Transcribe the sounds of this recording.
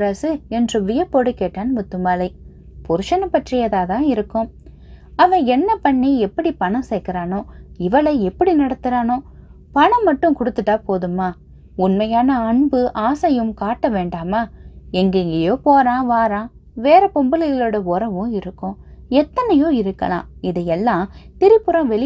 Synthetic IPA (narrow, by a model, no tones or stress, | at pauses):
ɾɐsɯɛndrɯʋɪjɐpːoːɽɯkːeːʈːaːnmʊt̪ːɯmaːlɐɪ | pʊɾɯʂɐnɐpːɐʈrɪjɐðaːt̪ãːɪɾɯkːʊ̃ | ɐʋɐ̃ɛnːɐpɐɳːiɛpːɐɽipɐnɐ̃msɛːkːɐɾaːnõːɪʋɐlɐɛpːɐɽinɐɽɐt̪ːɯɾaːnõ | pɐɳɐ̃mːɐʈːɯ̃kʊɽɯt̪ːɯʈːaːpoːðɯmaː | ʊnmɐjaːnɐɐɳbɯʔaːsɐjɯmkaːʈːɐʋeːɳɖaːmaːɛŋɡɐɪŋɡɐjoːpoːɾãːʋaːɾãː | ʋeːɾɐpɔmbɐlɐɣɪloːɽɐɔɾɐʋʊ̃ɪɾɯkːʊ̃ɛt̪ːɐnɐjõːɪɾɯkːɐ̰lã̰ːɪðɐjɛlːãːt̪ɪɾɪpːɯɾɐ̃ʋɛɭɪ